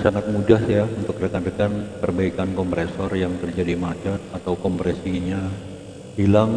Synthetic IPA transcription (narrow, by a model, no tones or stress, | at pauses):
saŋat̪̚mudahjaunt̪ʊkrəkandəkanpərbaikankɔmpɾesɔrjaŋt̪ərd͡ʒadimat͡ʃət̪̚at̪awkɔmpɾesiɲa | hilaŋ